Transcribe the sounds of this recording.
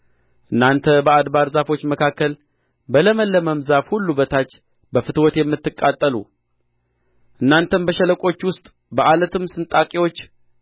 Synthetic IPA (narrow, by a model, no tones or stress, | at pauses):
ʔɨnːant̪ʰəbəad̪baɾzafo̞t͡ʃːməkʰakːəl | bələməlːəməmzafhulːubət̪ʰat͡ʃː | bəfɨt̪wɔt̪jɛmːɨt̪ːɨkʼːat̪ʼːəlṵ | ʔɨnːant̪ʰənbəʃələkʼo̞t͡ʃːwʊst̪ʼ | bəʔalət̪ʰɨmsɨnt̪ʼakʼiwo̞t͡ʃː